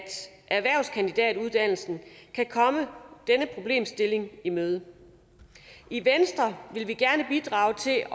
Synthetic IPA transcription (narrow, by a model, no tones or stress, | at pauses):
d̥ | ʔæɐʋæɐ̰ʊskʰænd̥id̥ɛ̰ːd̥uðˠd̥æn̰l̩sn̩kʰækʰɒ̽məd̥enəpʰʁo̝b̥le̝̰ːmsd̥e̝le̝ŋimøːð̞ˠə | iʋensd̥ʁɐʋe̝lʋiɡ̥æɐnəb̥id̥ʁɑ̰̈ːʊt͡sʰe̝